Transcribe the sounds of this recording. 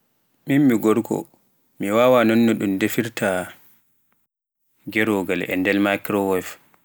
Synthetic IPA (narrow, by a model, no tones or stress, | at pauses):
mimːiɡɔɾkʰɔ̰ | miwaːwanɔnːɔɗumdefiɾta | ɡɛɾɔɡalɛ̰ndɛlmakɾɔwɔlf